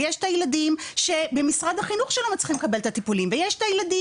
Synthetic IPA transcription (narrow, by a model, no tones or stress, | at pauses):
jeʃt̪ajladimʃe̞be̞misʁadhaχinuχʃelomet͡sχimekabelt̪at̪ipulimvejeʃt̪ajladi